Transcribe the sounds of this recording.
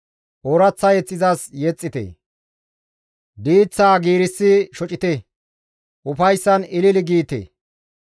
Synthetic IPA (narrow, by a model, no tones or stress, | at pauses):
ʔoɾɐt͡sːɐjɛt͡sʼːɪzɐsjɛt͡sʼːɪt̪ḛ | d̪iːt͡sːaːɡiːɾɪsːɪʃɔt͡ʃʼɪt̪ɛ | ʔʊfɐjsːɐnɪlɪlɪɡiːt̪ḛ